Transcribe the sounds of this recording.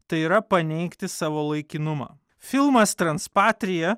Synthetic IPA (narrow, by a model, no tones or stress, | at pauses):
t̪ɐɪiːɾɐpɐnʲɛɪkt̪ʲɪsɑːʋoːlˠɐɪkʲɪnʊmɑ̰ː | fʲɪlˠmɐst̪ɾɐnspɑːt̪ʲɾʲɪjɛ